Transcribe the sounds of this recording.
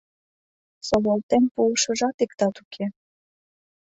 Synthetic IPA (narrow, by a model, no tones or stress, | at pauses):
soβolt̪empuəʃə̆ʒɑt̪ikt̪ɑt̪ukʰe